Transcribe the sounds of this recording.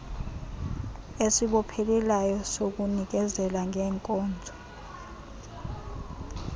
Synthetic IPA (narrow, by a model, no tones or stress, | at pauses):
esiɓɔpʰelilajɔsok̬unik̬ɛzɛlaŋɛːŋkʼɔːnd͡zʱɔ